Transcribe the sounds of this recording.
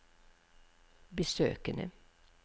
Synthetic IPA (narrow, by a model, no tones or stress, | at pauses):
bəsøːkənə̰